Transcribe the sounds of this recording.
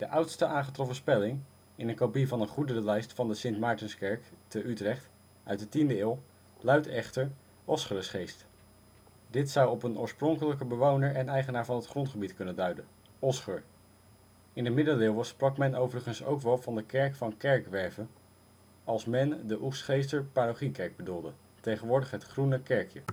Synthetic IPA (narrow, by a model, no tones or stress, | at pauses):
d̥əʔʌwtstəʔaːnχətrɔfəspɛlɪŋ | ɪnənkopivɑnəχudərəlɛjstfɑndəsɪntmɑːɹtɪnskɛɹktəʔytrɛχt | ʔœɥt̚dətindəɪːlˠ | lœɥtɛχtəɹ | ɔsχərəsχejst | dɪtsʌwɔpənoːɹsprɔŋkələkəbəʋownəɹɛnɛjχənaːɹvɑnətχrɔntχəbitkɵnəndœɥdən | ɔsχəɹ | ɪndəmɪdəlɪːlˠʋəsprɑkmɛnowvərəχənso̰wkʋɛlˠvɑndəkɛɹkfɑnkɛɹkʋɛɹvən | ɑlˠsmɛndəʔufsχejstəɹpaːɾoχikɛɹɡ̚bədulˠdə | tejχənʋʊːɹdəχɦətχrunəkɛɹkjə